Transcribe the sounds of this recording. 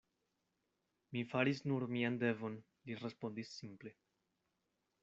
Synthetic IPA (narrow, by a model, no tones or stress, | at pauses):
mifaɾisnuɾmiande̞vo̞n | liɾe̞spo̞ndisːimple̞